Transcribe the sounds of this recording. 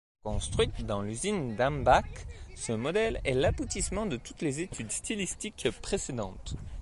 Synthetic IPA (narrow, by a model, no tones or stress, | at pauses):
kɔ̃st̪χɥit̪d̪ɑ̃lyzind̪ãmbaksəmɔd̪ɛlɛ̰labut̪ismɑ̃d̪ət̪ut̪lezet̪ʰyd̪st̪ilist̪ikpχesed̪ɑ̃t̪